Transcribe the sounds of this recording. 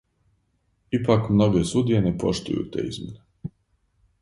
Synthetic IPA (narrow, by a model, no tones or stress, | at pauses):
ipakmno̞ɡesud̪ijenepo̞̰ʃt̪ṵjṵt̪ḛːḭzmʲjene